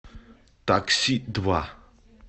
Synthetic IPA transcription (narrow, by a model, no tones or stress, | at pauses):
t̪ak̚sid̪wa